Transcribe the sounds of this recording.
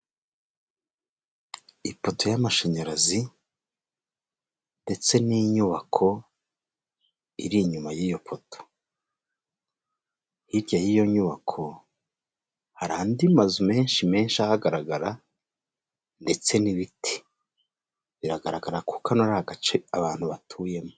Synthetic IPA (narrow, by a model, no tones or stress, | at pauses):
ipo̞tʰo̞jamaʃeɲaɾazi | nde̞t͡se̞niɲuβakʰo̞ | ḭɾiɲumajiːjo̞pʰoto̥ | hiɾɟajijo̞ɲuβakʰo̞ | haɾaːndimazume̞ːnʃime̞ːnʃiahaɡaɾaɡaɾa | nde̞t͡se̞niβitʰi̥ | βiɾaɡaɾaɡaɾakukanoɾahaɡat͡ʃe̞aβaːn̥huβatʰuːje̞mo